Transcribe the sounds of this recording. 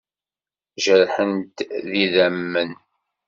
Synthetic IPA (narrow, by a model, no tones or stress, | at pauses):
ʒəɾħənt̪ðiðæmːən